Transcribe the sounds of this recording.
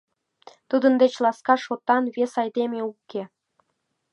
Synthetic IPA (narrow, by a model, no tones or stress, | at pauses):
t̪ud̪ənd̪et͡ɕlˠɑskɑʃot̪ːɑnβesɑjd̪emeukːe